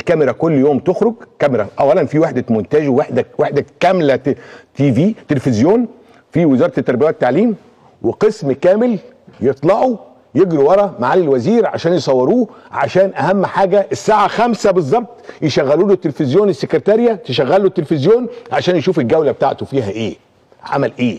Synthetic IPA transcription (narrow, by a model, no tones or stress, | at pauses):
ʔelkæmeɾækolːjoːmt̪oxɾoɡkæmeɾæʔæwːælænfiwaħd̪æmʊnt̪æd͡ʒwaħd̪æweħd̪ækæmlæt̪iːviːt̪elefɪzjoːn | fiwezɑːɾˤɑt̪et̪ːæɾˤbejæt̪ːaʕliːm | weqesmkæːmɪl | jet̪ˤlɑʕu | jeɡɾiwɑɾˤɑmaʕalːɪlwæziːɾʕa̰ʃæːnjesˤɑwːɑɾuːʕa̰ʃæːnʔæhæmːħaːɡæʔesːaːʕaxæmsæbɨzˤːɑb̚t̪ˤjeʃæɣːæluːlot̪ːelfɪzjoːnesːekɾt̪æɾɪjæt̪eʃæɣːælot̪ːelfɪzjoːnʕaʃæːnjeʃuːfelɡæwlæbet̪a̰ʕt̪ofiːɦæʔeː | ʕa̰mælʔeː